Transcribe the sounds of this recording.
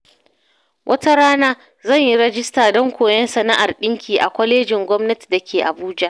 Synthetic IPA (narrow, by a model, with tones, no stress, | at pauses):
wʔɐ˦ta˦ɽaː˦naː˦ | zɐ˦˨ɲji˦ɽɐ˦d͡ʒɪ˦staː˨dɔ˦ŋkʷoː˨jɐ˦nsɐ˨na˦ʔa˨rɗɪ˦ŋkʲʰiː˨ʔa̰˨kʷɐ˦leː˦d͡ʒɪ˨ŋɡʷɔ˦mnɐ˦ti̥˨da˨kʲeː˨ʔa̰˨buː˦d͡ʒa˦ʔ